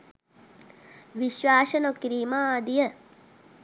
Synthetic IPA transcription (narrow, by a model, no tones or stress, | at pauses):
ʋiʃʋaːʃənokɾiːmaːd̪ijə